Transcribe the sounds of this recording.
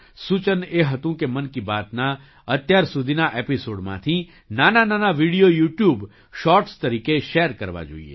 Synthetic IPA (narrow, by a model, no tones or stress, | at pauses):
sut͡ʃəneɦət̪ũkemənkibat̪na | ət̪jaɾsud̪ʱinaʔepisoːɽmã̰t̪ʰi | nanananaʋiɽijojuːʈjub | ʃɔːɾʈst̪əɾikeʃeəɾkəɾʋa̰d͡ʒo̰ːḭḛ